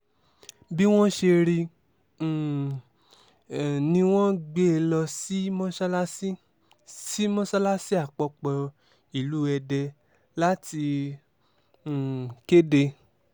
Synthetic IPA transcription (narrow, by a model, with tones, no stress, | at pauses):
bi˦w̃ɔ̃˦ʃe˧ɾĩ˧˨ | nĩ˧w̃ɔ̃˦ɡ͡be˦˧lɔ˧si˦mɔ̃˦ʃa˦lsi˦ | si˦mɔ̃˦sa˦la˦si˦a˦˨k͡pɔ˧k͡pɔ˨ | i˨lu˦ɛ˧dɛ˧ | la˦ti˧˨ | ke˦de˧